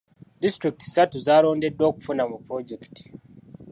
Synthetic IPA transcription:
distɾik̚ti̥satuzaːlo̞ːnde̞dːo̞ːku̥funamupɾo̞ɟeki̥ti̥

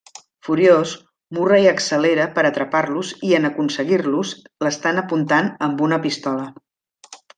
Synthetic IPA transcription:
fuɾjos | murejəksəleɾəpəɾət̪ɾəparluziənəkunsəɣirluz | ləst̪anəpunt̪anəmbunəpist̪ɔlə

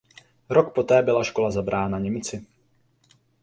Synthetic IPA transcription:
ɾo̞kpo̞t̪ɛːbɪlaʃko̞lazabɾʔaːnaɲɛmɪt͡sɪ

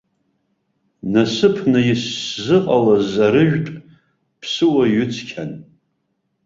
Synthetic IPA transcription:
nasɨpʰnɨjɪszɨqʼalazaɾɨʒᶣtʼ | pʰsɨwaɥʏt͡sʰkʲʰan

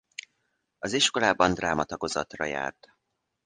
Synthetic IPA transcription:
ɒziʃko̞laːbɒnd̪raːmɒt̪ɒɡo̞zɒ̰t̪rɒ̰ja̰ːrt̪

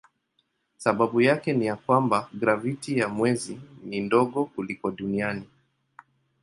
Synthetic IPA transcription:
saɓaɓujakɛnijakwambaɡɾavitijamwɛzinindɔɠɔkulikɔɗuniani

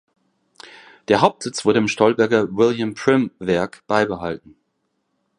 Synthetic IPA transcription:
d̥eːɐɦaʊp̚tz̥ɪt͡sv̥ʊɐɾəɪːmʃtʰɔlbɛɐɡɐwɪljampʰʁ̥ɪmvɛɐkb̥aɪbəɦaltn̩

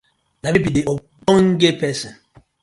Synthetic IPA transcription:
nabebideʔɔ | ɔŋ̩ɡepɛsɛn

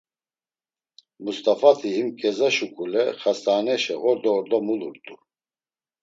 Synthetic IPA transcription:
must̪ʼafat̪ʰihimkʰʼɛzaʃukʼulɛχasaːnɛʃɛɣɔɾd̪ɔːɾd̪ɔmuluɾt̪ʼu

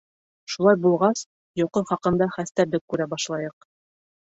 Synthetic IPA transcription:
ʃulˠɑjbulˠʁɑs | joqɤχɑqɤ̆nd̪ɑχæst̪æɾlɘkːʉɾæbɑʃlˠɑjɤq̚

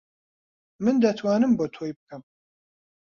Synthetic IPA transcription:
mɨnd̪ɐt̪ʰwaːnɨmbot̪ʰoːjbɨkʰɐm

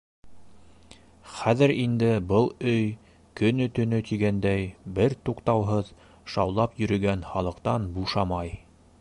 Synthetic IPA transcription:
χæðɘɾind̪ɘbɤlˠɵj | kɵ̆nɵt̪ɵ̆nɵt̪iɡænd̪æjbɘɾt̪uqt̪ɑwɦɤð | ʃɑ̰wlˠɑpjɵ̆ɾɵ̆ɡænχɑlˠɤ̆qt̪ɑnbuʃɑmɑj

